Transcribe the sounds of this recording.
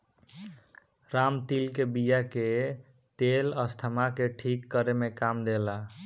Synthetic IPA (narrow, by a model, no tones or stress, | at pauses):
ɾamt̪ilkebijake | t̪eləst̪ʰəmakeʈʰikːəɾemekamd̪ela